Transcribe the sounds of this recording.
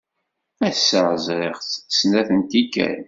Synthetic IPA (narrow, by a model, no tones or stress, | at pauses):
æsːəʁzɾeʁθsnæθənt̪ikːæ̰n